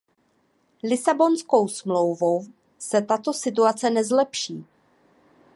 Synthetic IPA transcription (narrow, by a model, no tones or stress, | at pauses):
lɪsabo̞nsko̞wsmlo̞wvow | sɛt̪at̪o̞sɪt̪uat͡sɛnɛzlɛpʃiː